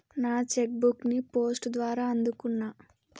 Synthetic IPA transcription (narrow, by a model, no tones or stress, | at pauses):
naːt͡ʃek̚buknipo̞ːsʈd̪ʋaːɾaːɐnd̪ukunːaː